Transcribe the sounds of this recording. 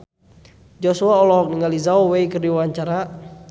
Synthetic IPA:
d͡ʒɔsuaɔlɔɦɔk̚niŋalizauwejkərdiwaɲt͡ʃaɾa

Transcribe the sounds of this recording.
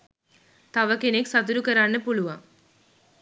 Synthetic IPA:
t̪ɐʋɐkːeneksɐt̪uɾukɐɾaːnːɨpuɭuʋaː

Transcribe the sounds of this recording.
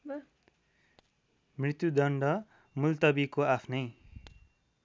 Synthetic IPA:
mrit̪jud̪ʌɳɖʌ | mult̪ʌbikoapʰnʌj

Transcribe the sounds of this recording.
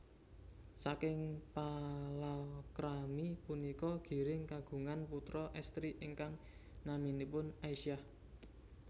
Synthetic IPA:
sakɪŋpalakɾamipunikɔɡ̥i̤ɾɪŋkaɡ̥ṳŋanput̪ɾɔʔɛst̪ɾiʔɪŋkaŋ | naminipʊnaiʃiah

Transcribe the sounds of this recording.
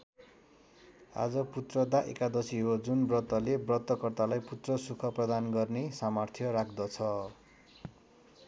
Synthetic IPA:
a̰d͡zʌput̪rʌd̪aʔḛkad̪ʌsiɦod͡zunbrʌt̪ːʌlebrʌt̪ːʌkʌrt̪alajput̪rʌsukʰʌprʌd̪anɡʌrnesamʌrt̪ʰjʌrakʰd̪ʌt͡sʰʌ

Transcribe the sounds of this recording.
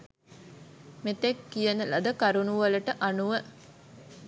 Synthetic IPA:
met̪ekːijənəlɐd̪əkaɾunuʋɐləʈəʔanuʋə

